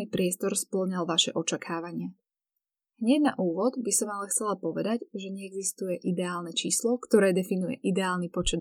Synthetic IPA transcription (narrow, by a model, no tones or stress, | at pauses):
ipɾɪɛst̪ɔɾspl̩ɲalʋaʃɛ̰ʔɔt͡ʃakʰaːʋaɲɪa | ɦɲɛɟna̰ʔuːʋɔd̪bisɔmalɛxt͡sɛlapɔʋɛd̪aɟʒɛɲɛɛɡzist̪ujɛʔid̪ɛaːlnɛt͡ʃiːslɔkt̪ɔɾɛːd̪ɛfinujɛ̰ʔid̪ɛaːlnipɔt͡ʃɛd̪